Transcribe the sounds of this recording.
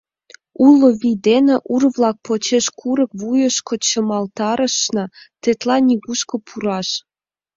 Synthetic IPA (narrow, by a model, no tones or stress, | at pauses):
uloβid̪eneʔurβlɑk̚pot͡ɕeʃkʰuɾək̚βujəʃkot͡ɕə̆mɑlt̪ɑɾəʃnɑt̪et̪lɑniɣuʃkopʰuɾɑʃ